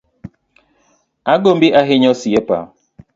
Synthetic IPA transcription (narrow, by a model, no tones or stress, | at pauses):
aɡombiʔaɦɪɲɔsiepa̰